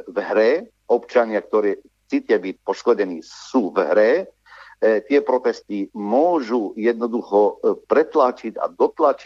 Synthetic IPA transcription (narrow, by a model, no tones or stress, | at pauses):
vɦɾɛ | ɔpt͡ʃaɲɪakt̪ɔɾɛː | t͡sit̪ɪabic̚pɔʃkɔɟɛniːsuːvɦɾɛ | t̪ɪɛpɾɔt̪ɛst̪imʊɔʒujɛd̪nɔd̪uxɔpɾɛt̪lat͡ʃica̰d̪ɔt̪lat͡ʃi